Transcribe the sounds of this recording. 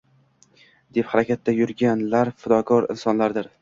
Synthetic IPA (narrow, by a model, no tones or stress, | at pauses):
d̪e̞phaɾakʲat̪ʰːajʊɾɡʲanlaɾfʊd̪ɒkʰɒɾɪ̰nsɒnlaɾd̪ɪɾ